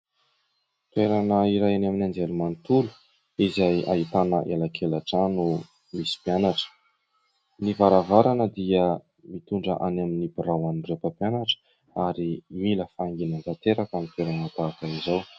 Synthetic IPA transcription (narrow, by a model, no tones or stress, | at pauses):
t̪weɾanəiɾajanaminand͡ʒelumanit̪ulu̥ | izaja̰ɦit̪anəʔelakʰelaʈ͡ʂanu | misi̥pianaʈ͡ʂə̥ | nivaɾavaɾanəd̪iə | mit̪uɳɖ͡ʐə̰ʔanaminibiɾawanurepəpjanaʈ͡ʂə̥ | aɾimiləfaŋɡinant̪at̪eɾakamit̪eɾamat̪akaizaw